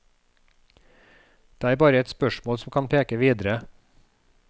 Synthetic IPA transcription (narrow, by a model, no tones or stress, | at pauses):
d̪̥eːæːɾbɑːɾəɛt̪spœʃmoːlsm̩kʰɑnpʰeːkəʋiːd̪əɾə